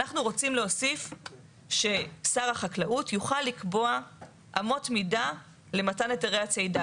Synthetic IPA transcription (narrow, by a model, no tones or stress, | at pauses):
anaχnuʁo̞t͡simleɦosif | ʃe̞saʁaχaklaʔutʰjuχalːikbo̞a | ʔamo̞tmida | le̞mataneteʁeat͡sejda